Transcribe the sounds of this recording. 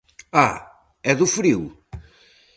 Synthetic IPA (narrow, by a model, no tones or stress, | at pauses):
a | ɛðufɾiw